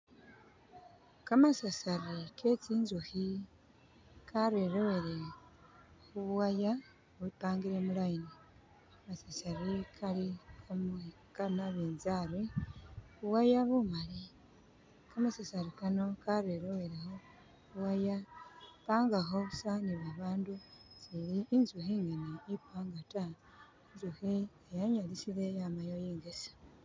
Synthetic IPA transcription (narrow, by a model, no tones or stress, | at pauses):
kamasasaɾikʰe̞t͡siːnzuhi | kʰaɾweɾoweɾe | huβwaja | βupaːŋɡiɾemulaini | masasaɾikʰaliome | kamaβeːnzaɾwe | uwajaβumali | kamasasaɾikano̞kaɾeɾoweɾeho | uwajapaːŋɡaɦousaniβaβaːnduz̥iɾiːnzuhiŋɡeneipaːŋɡata | enzuhiejaɲalisiɾejamajojiːŋɡesḁ